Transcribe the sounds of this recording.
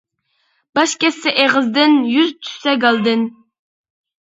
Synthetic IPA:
b̥ɑʃkʲɛsːɪʔeʁɨzd̪ɪnjyzt̪ʰy̥sɛɡɑlˠd̪ɨn

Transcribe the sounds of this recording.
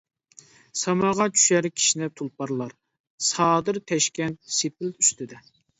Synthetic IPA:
sɑmɑʁɑt͡ʃʰy̥ʃɛɾɪkʲʰi̥ʃinɛp̚t̪ʰulˠpɑɾlˠɑɾ | sɑːd̪ɨɾt̪ʰɛʃkʲɛnt̪̚sepɪlyst̪ʰɪd̪ɛ

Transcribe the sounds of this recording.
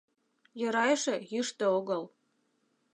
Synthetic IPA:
jɤ̆ɾɑjʃĕjɯʃt̪ɤ̆oɣɤl

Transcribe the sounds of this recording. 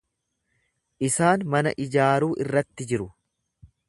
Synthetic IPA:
ʔɪsaːnmɐnɐ̰ʔɪd͡ʒaːɾuːʔɪrːɐt̪ːɪd͡ʒɪɾʊ

